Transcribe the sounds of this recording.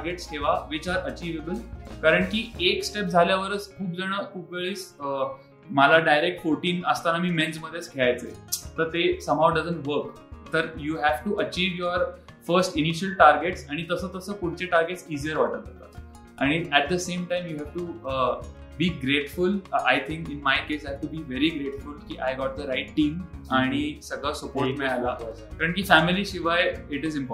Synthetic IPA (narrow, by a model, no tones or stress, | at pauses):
aɾɡeʈskʰeʋaʋit͡ɕaɾʔət͡ɕiːʋebəlkaɾəɳkiːeksʈep̚d͡zʱaljaʋəɾət͡skʰuːp̚d͡zəɽ̃əːʔuɡɭiːs | məlaɖajɾek̚ʈfoɾʈiːnəst̪anamiːmɛ̃nd͡zməd̪ʱːjet͡sɡʰʱeajt͡sḛt̪əɾt̪esəmawɖəd͡zəɳʈʋəɾk | t̪əɾjuɦæʋʈuʔət͡ɕiːʋjoɾ | fəɾsʈiniɕəlʈaɾɡeʈsaɽ̃it̪əsəːt̪əsəːkuɽ̤t͡ɕeʈaɾɡeʈsizijəɾʋaʈət̪at̪a̰ | aɽ̃iæʈ̚d̪əsẽmʈãjmjuɦæʋʈu | biːɡɾeʈfulajt̪ʰɪ̃ŋkɪnmajkesaɦʋʈubiːʋeɾiɡɾeʈfulkḭʔajɡɔʈ̚d̪əɾaɪʈːiːmaɽ̃isəɡɭasəpoɾʈmeala | kaɾəɳkiːfæmiliɕiʋajɪʈɪzĩmpɔ